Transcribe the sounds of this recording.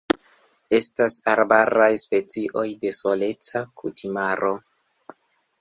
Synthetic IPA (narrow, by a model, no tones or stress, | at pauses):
e̞stasaɾbaɾajspe̞t͡siʔo̞jde̞so̞le̞t͡sakutʰimaɾo̞